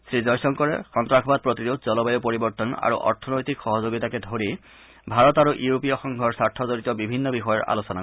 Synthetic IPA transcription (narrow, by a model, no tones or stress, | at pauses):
sɹizɔjsɔŋkɔɹɛ̰xɔntɹakʰbad̪̚pɹot̪iɹud̪̚ʱzɔlɔbajopoɹibɔɹt̪ɔna̰ɹṵʔɔ̰ɹtʰɔnojt̪ikxɔɦɔzoɡitakɛd̪ʱoɹi | bʱaɹɔtaɹuʔuopijɔxɔŋɡʱɔɹsaɹtʰɔzoɹit̪ɔbibʱinːɔbixɔjɔɹa̰losɔna